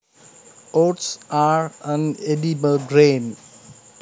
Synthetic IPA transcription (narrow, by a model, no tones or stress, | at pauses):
oʈsaɹə̃nedibəlɡɾẽn